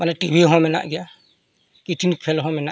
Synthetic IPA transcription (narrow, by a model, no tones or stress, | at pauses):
manɛʈibʱiɦɔ̃mɛna̰ʔɡɛja | kiʈʰinikʰelɦɔ̃mɛna